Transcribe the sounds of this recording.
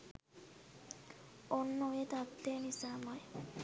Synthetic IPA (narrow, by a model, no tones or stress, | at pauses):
onːoet̪abt̪enisamɔj